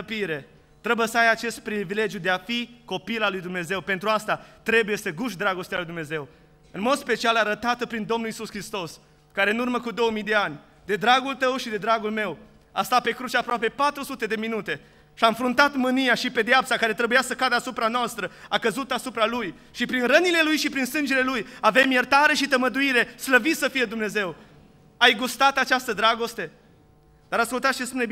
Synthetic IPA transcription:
əpiɾe̞ | t̪ɾe̞bujesəajat͡ʃe̞st̪̚pɾivile̞d͡ʒjud̪eafiko̞pilalujd̪umne̞ze̞wpe̞nt̪ɾuast̪at̪ɾe̞buje̞səɡuʃd̪ɾaɡo̞st̪ealujd̪umne̞ze̞w | ɨnmo̞d̪spe̞t͡ʃialaɾət̪at̪əpɾind̪o̞mnulisuskɾist̪o̞s | kaɾeɨnurməkud̪o̞wmijd̪e̞anʲ | d̪e̞d̪ɾaɡult̪əwʃid̪e̞d̪ɾaɡulme̞w | ast̪at̪̚pe̞kɾut͡ʃeapɾoape̞pat̪ɾusut̪e̞d̪e̞minut̪e̞ | ʃiaɨɱfɾunt̪at̪mɨnijaʃipe̞d̪eapsakaɾe̞t̪ɾe̞bujasəkad̪əasupɾanoast̪ɾəakəzut̪asupɾaluj | ʃipɾinrənile̞lujʃipɾinsɨnd͡ʒe̞le̞lujave̞mjert̪aɾe̞ʃit̪əməd̪uiɾe̞sləvit̪səfije̞d̪umne̞ze̞w | ajɡust̪at̪at͡ʃast̪əd̪ɾaɡo̞st̪e̞ | d̪aɾaskult̪at̪ʃispuneb

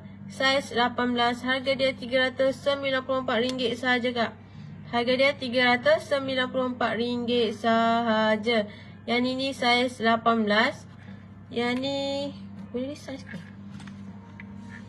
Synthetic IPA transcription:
saslapanblasharɡadiat̪iɡaɾat̪ʊsːəmbilanpuloəmpat̪̚ɾiŋɡɪt̪̚saɦad͡ʒəkaʔ | harɡadiat̪iɡaɾat̪usːəmbilanpuloəmpat̪̚riŋɡɪt̪̚saɦad͡ʒa | janinisaəslapanblas | jani | kodaɾisaskə

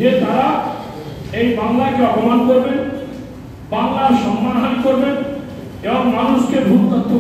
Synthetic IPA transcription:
ed̪ʱaɾa | ejbaŋlakeɔpomankoɾben | baŋlaɾʃɔmːananikoɾben | eboŋmanuʃkebʱukk̪ot̪ʰːo

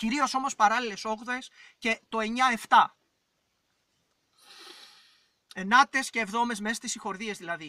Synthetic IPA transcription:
ciɾio̞so̞mo̞spɐɾɐlile̞so̞ɣðesce̞t̪o̞e̞ɲɐe̞ft̪ɐ | enɐt̪e̞sce̞ːvðo̞me̞zme̞sɐst̪isixo̞ɾðiezðilɐði

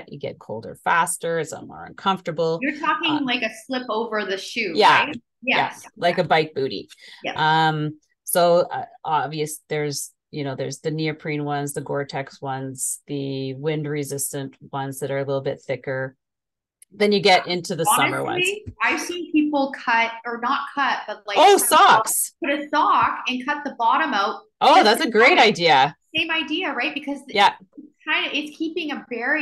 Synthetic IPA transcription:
t͡ʃɨ̰ɡɛ̰t̚kʰoʊlˠdə̰˞fæstə˞sʌ̰̃mwɔ̰ɹʌ̰̃nkʰʌ̃ɱftə˞bl̩ˠjə˞tʰɔkɪ̃ŋlaɪkɨslɪpoʊvə˞ðɨʃʉjæt̚ | jææ̰laɪkɨbaɪk̚b̥ʉɾḭʔʌ̃m | soʊʌ̰ɑbviɨsðə˞z̥ | jɨñoʊðə˞zðɨniɨpʰɹ̥ĩnwʌ̃nzðɨɡɔɹtʰɛkswʌ̃nz̥ðɨwɪ̃ndɹɨzɪstɨ̃nʔwʌ̃nzðɨɾə˞ɨlɪɾl̩ˠbɪt̪̚θɪkə˞ | ðɨ̃njɨɡɛɾʔɪ̃ntʰʉðɨsʌmə̰˞wʌ̰̃nizaɪ̥sĩnpʰipl̩ˠkʰʌɾ̚ə˞nət̚kʰʌt̚b̥ʌt̚ˡlaɪoʊsɑksp̚ʰʊɾɨsɑkɨ̃nkʰʌt̪̚ðəbɑɾɨ̃maʊt̚ | ʔoʊðætsɨɡɹeɪɾaɪdiɨsẽɪ̃maɪdiɨɹaɪt̚b̥ɨkʰʌzjæ | ɨtskʰãɪ̃ndɨʔɨtskʰipɪ̃ŋɨvɛɹi

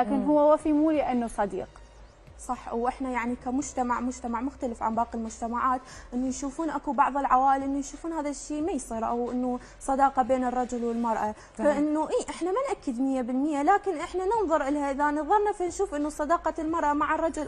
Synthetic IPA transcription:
laːkɪnɦʊwːawafimuːliʔanːusˤɑd̪ḭːq | sˤɑħwʔɪħnajaʕnikamʊd͡ʒt̪amaʕmʊd͡ʒt̪amaʕmʊxt̪alɪfʕa̰nbɑːqɪlmʊd͡ʒt̪amaʕaːt̪ʔɪnːujʃuːfuːnʔakubɑʕðˤɨlʕawaːʔɪlʔɪnːujʃuːfuːnhaːðaʃːiːmajsˤiːɾʔawʔɪnːu | sˤɑd̪ɑːqɑbeːnɨrˤːɑd͡ʒʊlwɪlmɑɾˤʔa | faʔɪnːuʔiːʔɪħnamanʔakːɪd̪mɪjːabɪlmɪjːalaːkɪnʔɪħnanɪnðˤʊɾˤʔɪlhaʔɪðanɑðˤɑɾˤnafinʃuːfʔɪnːusˤɑd̪ɑːqɑlmɑɾˤʔamaʕarˤːɑd͡ʒʊl

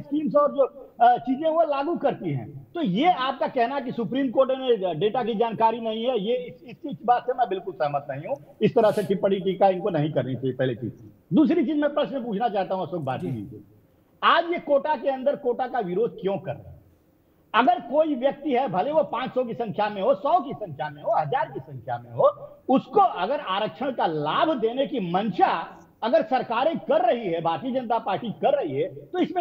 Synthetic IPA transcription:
skiːmsɔːɾd͡ʒoː | t͡ʃiːzẽɦʋolaːɡukɐɾt̪iɦɛ̰̃ːt̪ojeaːp̚kakɛɦnaɛk̬isʊpɾiːmkoːɾʈnẽɖeːʈakid͡ʒaːnkaːɾinɐɦĩɦɛjeɪsɪskit͡ʃbaːt̪semɛ̃bɪlkʊlsɛɦməɾt̪nɐɦĩɦũ | ɪst̪ɐɾəɦseʈipɐɽiʈiːkaɪnkonɐɦĩkɐɾnit͡ʃaipɛɦlit͡ʃḭːz | d̪uːsɾit͡ʃiːzmɛ̃pɾɐʃnẽp̬uːt͡ʃʰnat͡ʃaːɦt̪aɦũɐsoːk̚ba̰ːt͡ʃinḭ̃ĩsḛ | aːd͡ʒjekoːʈakeɐ̃nd̪əɾkoːʈakaʋɪɾoːd̪̚ʱkjõkɐɾa̰ | ɐɡəɾkoːiʋjɐk̚t̪iɦɛbʱɐleʋopãːt͡ʃsɔk̬isɐ̃ŋkʰjamẽɦosɔːkisɐ̃ŋkʰjamẽɦoɦɐd͡ʒaːɾkisɐ̃ŋkʰjamẽɦoʊskoɐɡəɾaːɾəkʃʰəɽ̃kalaːbʱd̪eːnekimɐnʃa | ɐɡəɾsɐɾkaːɾẽkɐɾːɐɦiɦɛbʱaːɾt̪iːəd͡ʒə̃nət̪apaːɾʈikɐɾːɐɦiɦɛt̪oɪsmẽ

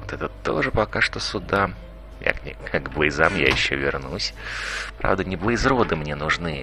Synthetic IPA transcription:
ot̪ɛt̪ət̪o̰ʐɨpɐkaʂt̪osʊd̪a | ja̰knʲɪkʰaɡblˠəjzamja̰jɪɕːo̰vʲɪrnusʲpɾa̰vd̪ənʲɪblˠəjzɾod̪ɨmnʲenʊʐnɨ

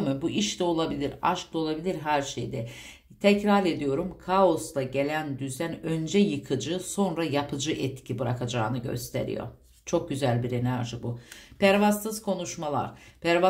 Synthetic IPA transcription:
mɯbuʔiʃt̪ɛo̞lˠabilʲiɾa̰ʃklˠɯo̞lˠabilʲiɾɦæɾʃejd̪ɛ | t̪ʰɛcɾaɾe̞d̪ijo̞ɾumkʰao̞st̪aɟe̞lʲænd̪yzænø̞nd͡ʒɛjɯkʰɯd͡ʒɯso̞nɾajapʰɯd͡ʒɯʔɛt̪cʰibɯɾakʰad͡ʒaːnɯɟø̰st̪ʰḛɾḭjo̰ | t͡ʃʰo̞k̚ɟyzælʲbiɾe̞næɾʒɯbupʰæɾvast̪ɯz̥kʰo̞nuʃmalˠa̰ɾpæɾva

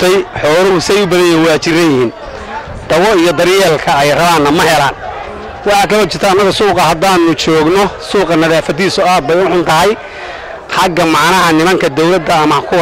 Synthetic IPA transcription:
t̪ʰɛjħɔːlɐʊsɪɛjʊbɐðɐjɛwɑːt͡ʃɪrɐjɪhiːn | d̪̥ɐwɔijɔd̪ɐɾjɛːlkʰɐɛjrɐβaːnːɐmɐɦɛlaːn | wɑħɑːkʰɐlɔt͡ʃɪrt̪ʰɐːnːɐɣɐsuːqɑhɐd̪aːnʊt͡ʃɔːɡnɔsuːqɑnɐðaːfɐd̪iːsʊaːd̪̚bɛjʊħʊnt̪ʰɐɦɛj | ħɑɡɐmɑʕnɐɦɐnɪmɐŋkʰɐd̪ɔwlɐd̪ɐːmɐkʰʊ

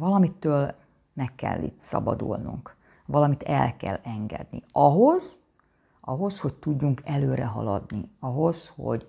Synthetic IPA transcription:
vɒlɒmit̪ːøːl | mɛkːɛ̰lːḭːt̪sɒ̰bɒd̪ulnuŋk | ʋɒlɒmit̪ɛlkɛlɛŋɡɛ̰d̪̚niɒɦo̞z̥ | ʔɒɦo̞sho̞ct̪uɟːuŋkɛløːɾɛɦɒlɒd̪niɒɦo̞sho̞̰ɟ

